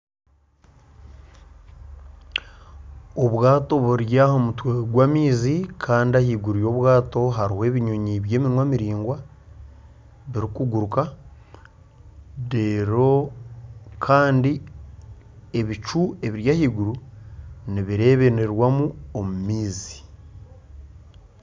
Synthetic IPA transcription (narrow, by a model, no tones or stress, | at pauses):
oβwaːto̞βuɾjahomutweɡwaːmiːzikʰaːndiahiːɡuɾujo̞βwaːto̞ɦaɾihe̞ːβiɲoɲiβje̞ːminwaːmiɾiːŋɡwa | βiɾikuɡuɾuka | deɾo | kʰaːndi | eβit͡ʃue̞βiɾjahiɡuɾu | niβiɾe̞ːβe̞ne̞ɾwamuomumiːzi̥